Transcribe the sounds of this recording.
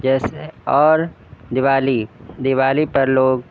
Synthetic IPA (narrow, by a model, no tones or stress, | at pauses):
d͡ʒɛːseɔːɾ | d̪ɪwaːlid̪ɪʋaːlipɐɾloːɡ